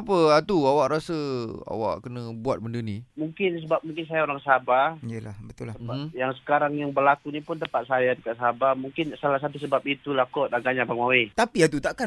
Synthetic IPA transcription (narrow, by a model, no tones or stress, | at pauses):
pəat̪uawaʔɾasəa̰wa̰ʔkənəbuat̪̚bəndənimuŋkɪns̬əbap̚muŋkɪns̬ajaoɾaŋsabaijəlahbət̪ʊlasəjaŋsə̥kaɾaŋjaŋbərlakunipʊnt̪əpat̪̚sajadəkaʔ̪sabamuŋkɪnsalahs̬at̪̬usəbap̚it̪ulahkɔt̪aɡaɲabaŋmawet̪apiat̪̬ut̪aʔka